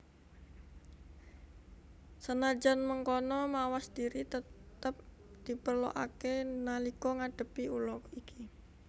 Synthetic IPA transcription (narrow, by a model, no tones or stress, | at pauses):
sənad͡ʒanməŋkɔnɔmawasd̥iɾit̪ət̪əp̚ | d̪̥ipərlo̰ʔakenalikɔŋaɖ̥ə̤piulɔkikʰi